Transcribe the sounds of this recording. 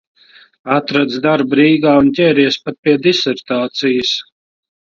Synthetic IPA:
at̪ɾad̪zd̪aɾbɾiːɡaːunt̪ʲɛːɾiɛspat̪̚piɛd̪isɛɾt̪aːt̪sijəs

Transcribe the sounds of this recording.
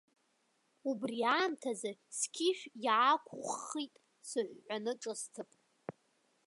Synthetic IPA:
ubriaːmtʰazaskʲʰiʃᶣjʕakʷʰχitʼ | sɨħʷːanɨʈ͡ʂʼɨstʰɨpʼ

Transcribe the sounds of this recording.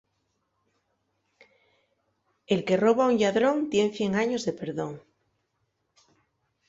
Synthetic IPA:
e̞lke̞ro̞βauŋʎaðɾõ̞ŋt̪je̞nθje̞ŋaɲo̞zðe̞pe̞ɾðo̞ŋ

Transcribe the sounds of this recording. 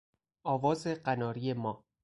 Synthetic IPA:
ɒːvɒːzeɢænɒːɾijemɒː

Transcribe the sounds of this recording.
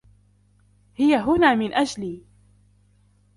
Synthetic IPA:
hɪjaɦʊnaːmɪnʔad͡ʒliː

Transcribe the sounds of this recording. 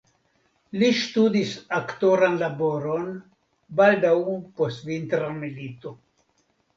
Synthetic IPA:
liʃt̪ud̪isakt̪oɾanlaboɾon | bald̪aumposvint̪ɾamelit̪o

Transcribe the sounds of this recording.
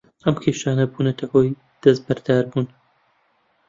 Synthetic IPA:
ɐmkʲʰeːʃaːnɐbuːnɐt̪ʰɐhoːj | d̪̥ɐs̚bɐɾd̪aːɾbuːn

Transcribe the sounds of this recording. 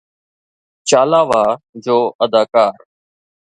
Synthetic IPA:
t͡ʃaːlaːʋaːd͡ʒoːʔəd̪aːkaːɾ

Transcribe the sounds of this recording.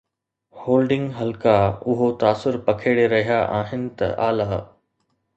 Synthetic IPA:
hoːlɖɪ̃ŋɡɦɐlkaʊɦot̪aːsʊɾpɐkʰeːɽeɾɐɦijaʔaːɦɪnɪ̆t̪ɐ̰ʔaːlaː

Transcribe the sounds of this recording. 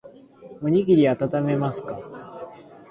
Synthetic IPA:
moɲ̟iɡʲiɾʲiat̪at̪ame̞masɨ̥ka

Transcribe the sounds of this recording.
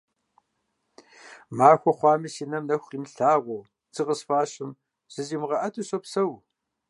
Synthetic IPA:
maːxʷɔχʷɑːmɨsinɐmnɐxʷqiːmɬaːʁʷɔw | t͡sɨʁəsfaːɕɨm | z̥ɨziːmɨʁɐʔɐtʰɨɕɐpsɐw

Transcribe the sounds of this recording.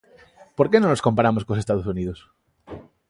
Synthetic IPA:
poɾkenõnosko̞mpaɾamoskosest̪aðos̬uniðos

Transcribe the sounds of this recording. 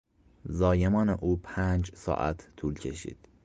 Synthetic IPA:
zɒːje̞mɒːneʔuːpʰæːnd͡ʒsɒ̰ːʔæ̰t̪ʰːuːlcʰe̞ʃḭːd̪̥

